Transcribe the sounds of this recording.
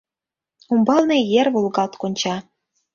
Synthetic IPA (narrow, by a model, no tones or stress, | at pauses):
umbɑlˠnĕjĕrβulˠɡɑlt̪konʲt͡ɕɑ